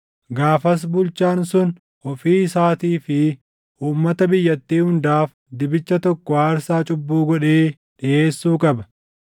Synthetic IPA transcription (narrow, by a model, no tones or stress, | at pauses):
ɡaːfɐs̬bʊlt͡ʃːaːnsʊn | ɔfiːsaːt̪iːfɪ | uːmːɐt̪ɐbɪjːɐt̪ːiːhʊnd̪aːf | d̪ɪbɪt͡ʃːɐt̪ɔkːɔwaːɐɾsaːt͡ʃʼʊbːuːɡɔᶑeː | ᶑɪʔe̞ːsːuːkʼɐbɐ